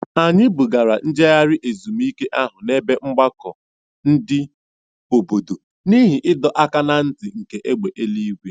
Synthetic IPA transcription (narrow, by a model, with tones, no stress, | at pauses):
a˨ɲɪ˦bu˨ɡa˨ɾa˨n̩˦d͡ʒe˦ɣa˦ɾɪ˦ʔe˨zu˨m˦i˦ke˦ʔa˦ɦʊ˨ne˦be˦ŋ͡m̩˦ɡ͡ba˦kɔ̰˨ | n̩˦dɪ˦ | o˨bo˨do˨ | ni˦ɦɪ˨ʔɪ˦dɔ˨ʔa˦ka˦na˦n̩˦tɪ˨ŋ̩˨ke˨ʔe˦ɡ͡be˨ʔe˦li˦ɡʷe˦